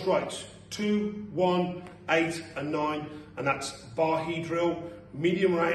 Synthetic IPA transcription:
sɹaɪts | tʰʉːwʌ̃n | eɪtə̃nːãɪ̃nə̃nðætsb̥ɑːɦidɹilˠmiːdiə̃mɹaɪ

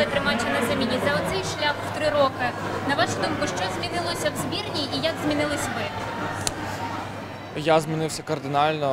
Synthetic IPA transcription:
ɪt̪ɾɪmɑt͡ʃʲɐnɐzɛmʲinʲizɐɔt̪sɛjʃlʲaxw̥t̪ɾɪɾɔkɪnɐʋɑʃʊd̪umkʊʃt͡ʃɔzmʲinɪlˠɔsʲɐwzbʲirnʲiːjaɡzmʲinɪlˠɪsʲʋɪ | jazmʲinɪwsʲɐkɐrd̪ɪnɑlʲnɔ

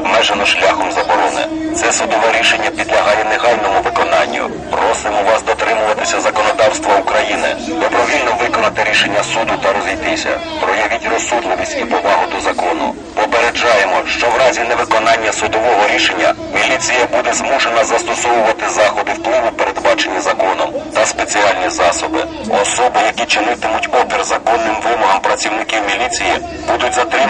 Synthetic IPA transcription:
bmɛʒenɔʃlʲaxɔmzɐbɔɾɔnɪ̰t̪sɛsʊd̪ɔʋɛɾʲiʃenʲːɐpʲid̪lʲɐɦɑjɛlˠeɦɑlʲnɔmʊʋɪkɔnɑnʲːʊ̰ | pɾɔsɪmɔʋɑsd̪ɔt̪ɾɪmʊʋɐt̪ɪsʲɐzɐkɔnɔd̪ɑwst̪ʋɐukɾɐjinɪ̰d̪ɔbɾɔʋʲilʲnɔʋɪkɔnɐt̪ɪɾʲiʃenʲːɐsud̪ʊt̪ɐɾɔzʲijt̪ɪsʲɐ̰ | pɾɔjɐʋʲitʲrɔsːud̪lˠɪʋʲisʲtʲipɔʋɑɦʊd̪ɔzɐkɔnʊ̰ | pɔpeɾed͡ʒɑjemɔʃt͡ʃɔwɾɑzʲinɛʋɪkɔnɑnʲːɐsʊd̪ɔʋɔɦɔɾʲiʃenʲːɐ̰ | mʲilʲit͡sʲijɐbud̪ɛzmuʃenɐzɐst̪ɔsɔʋʊʋɐt̪ɪzɑxɔd̪ɪwplˠɪʋʊpeɾed̪bɑt͡ʃe̞nʲːɐzɐkɔnɔmt̪ɐspet͡sʲiɑlʲnʲizɑsɔbɪ̰ | ɔsɔbʊjɐkʲit͡ʃɪnɪt̪ɪmʊtʲɔpʲirzɐkɔnːɪmʋɪmɔɦɐmpɾɐt͡sʲiwnɪkiwmʲilʲit͡sʲiji | bud̪ʊtʲzɐt̪ɾɪ

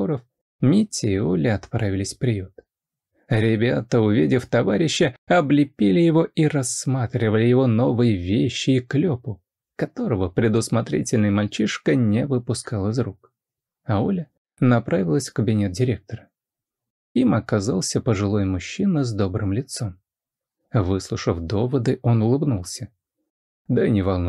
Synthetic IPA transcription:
oɾəf | mʲitʲːɪːolʲəɐt̪pɾavʲɪlʲɪsʲfpɾʲɪjut̪ | ɾʲɪbʲat̪əʊvʲidʲɪft̪ɐvaɾʲɪɕːəɐblʲɪpʲilʲɪjɪvo̞ʔiɾɐsmat̪ɾʲɪvəlʲɪjɪvo̞no̞vɨjəvʲeɕːɪːklʲopʊ | kɐt̪o̞ɾəvəpɾʲɪd̪ʊsmɐt̪ɾʲḭtʲɪlʲnəjəmɐlʲt͡ɕiʂkənʲɪvɨpʊskalˠəɨzɾuk | ɐolʲə | nɐpɾavʲɪlˠəsʲfkəbʲɪnʲe̞t̪̚dʲɪɾʲe̞k̚t̪əɾə | imɐkɐzalˠsʲəpəʐɨlˠo̞jmʊɕːinəzd̪o̞bɾɨmlʲɪt̪so̞m | vɨslˠʊʂəfd̪o̞vəd̪ɨʔo̞nʊlˠɨbnulˠsʲə | d̪ənʲɪvɐlˠnu

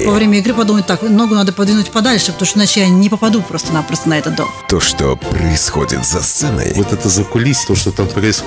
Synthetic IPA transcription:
vɐvɾʲemʲəɪɡɾɨpɐd̪uməɪt̚ʲt̪akmno̞ɡʊnad̪əpɐd̪vʲinʊtʲpɐd̪alʲʂɨpɐt̪omʂt̪onat͡ɕɪjanʲɪpəpɐd̪upɾo̞st̪ənapɾost̪ənɐɛt̪ət̪̚d̪o̰mt̪oʂt̪o̰pɾəɪsxo̰dʲɪ̰t̪zɐst̪sɛnə̰jvot̪ɛt̪əzəkʊlʲisʲt̪oʂt̪ot̪amt̪ɐɾaɪs

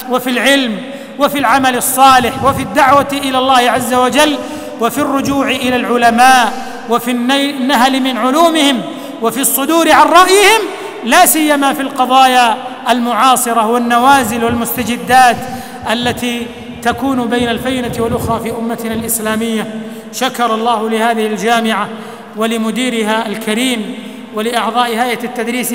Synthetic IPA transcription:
wafilʕɪlm | wafilʕamalɑsˤːɑːlɪħwafid̪ːaʕwaʔɪlaːlˤːaːhɪʕazːawad͡ʒalː | wafirːʊd͡ʒuːʕɪʔɪlalʕʊlamaːʔ | wafinːanːaɦlɪmɪnʕʊluːmɪhɪm | wafisˤːʊd̪uːɾɪʕanɾˤɑʔjɪhɪm | laːsɪjːamafilqɑðˤɑːjaʔalmʊʕɑːsˤɨɾˤɑwanːawaːzɪlwalmʊst̪ad͡ʒɪd̪ːaːt̪ | ʔalːat̪iː | t̪akuːnʊbajnalfajnat̪walʔʊxɾˤɑːfiːʔʊmːat̪nalʔɪslaːmɪjːa | ʃakɑɾˤɑlˤːɑːhʊlɪhaːðɪhɪld͡ʒaːmɪʕa | walɪmʊd̪iːɾɪɦaʔalkaɾiːm | walɪʔɑʕðˤɑːʔɪhaːjat̪ːad̪ɾiːs

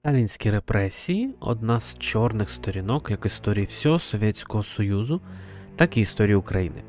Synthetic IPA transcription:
t̪ɑlʲinʲsʲkʲiɾe̞pɾʔɛsʲijiɔ̰d̪nɑz̥t͡ʃɔrnɪxst̪ɔɾʲinɔkjɐkist̪ɔɾʲijiwsʲɔɦɔsɔʋʲjɛtʲt͡sʲkɔɦɔsɔjuzʊ | t̪ɑkiːst̪ɔɾʲijiukɾɐjinɪ̰

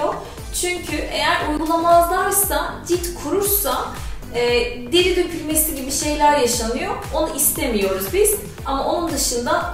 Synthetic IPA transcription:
o | t͡ʃʰyɲcʰyʔe̞jæɾujɡulˠamalˠlˠaɾsad̪it̪kʰuɾuɾsa | ɛː | d̪eɾid̪øcʰylʲme̞siɟibiʃe̞jlʲæɾjaʃanɯjo̞ | o̞nuʔist̪ʰe̞mijo̞ɾuzbiz̥ | amaʔo̞nund̪ɯʃɯnd̪a

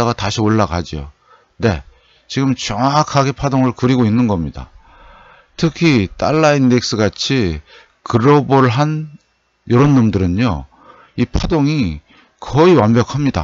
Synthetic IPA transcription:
aɡataɕʰioɭːakad͡ʑio̰ | ne̞ | t͡ɕiɡɯmt͡ɕʌŋakʰaɡe̞pʰadoŋɯɭkɯɾiɡoinːɯnɡʌmɲida̰ | tʰɯkʰit͈a̰ɭːainːek̚s͈ɯɡat͡ɕʰi | kɯɾʌboɾɯɭɦan | jʌɾonːɯmdɯɾɯno | ipʰadoŋi | kʌiwambjʌkʰamɲida̰

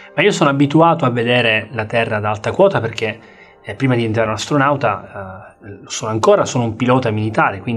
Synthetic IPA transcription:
maiːosoːnoabit̪uaːt̪oavːed̪ɛːɾelat̪ɛrːad̪aalt̪akwɔːt̪aperk̟e | pːɾiːmad̪ient̪ɾaɾunast̪ɾonawt̪a | losoːnoaŋkoːɾasoːnoumpilɔːt̪amilit̪aːɾekwind̪

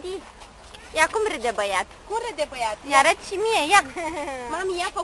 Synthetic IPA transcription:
d̪i | jakumɾɨd̪ebəjat̪kumɾəd̪ebəjat̪jaɾət̪ʃimijejamamijapɐ

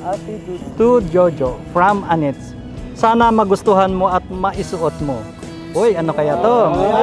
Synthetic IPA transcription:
t̪ud͡ʒod͡ʒofɹamanɛt̪s | saːnɐmɐɡʊst̪ʊɦanmoɐt̪̚mɐʔɪsʊʔot̪̚mo | ʔojʔɐnokɐjat̪o

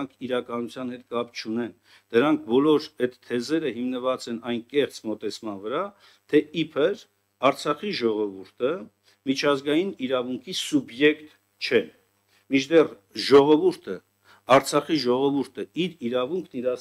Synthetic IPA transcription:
ŋkʰiɾɑkɑnut͡sʰjɑnhɛt̪̚kɑpt͡ʃʰunɛn | d̪̥əɾɑŋk̚ʰbɔlɔɾɛt̪ʰːɛzɛɾəɦimnəvɑt͡sɛnɑjnkɛχt͡smɔt̪ɛt͡sʰmɑnvəɾɑ | t̪ʰɛipʰəɾ | ɑɾt͡sʰɑχiʒɔʁɔvuɾt̪ʰə | mit͡ʃʰɑzɡɑjiniɾɑvuŋkʰisubjɛkt̪ | t͡ʃʰɛ | mit͡ʃʰd̪ɛr | ʒɔʁɔvuɾt̪ʰə | ɑɾt͡sʰɑχiʒɔʁɔvuɾt̪ʰəiɾiɾɑvuŋkʰniɾɑ

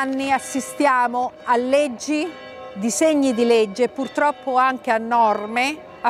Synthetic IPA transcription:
nːiasːist̪jaːmoalːed͡ʒːi | d̪iseɲːid̪iled͡ʒːepurt̪ɾɔpːoaŋk̟eanːɔrme

